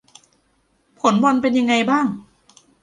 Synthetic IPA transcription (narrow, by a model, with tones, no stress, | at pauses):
pʰo˨˩˦nbɔ˧npe˧nja˧ŋːa˧jbaː˥˩ŋ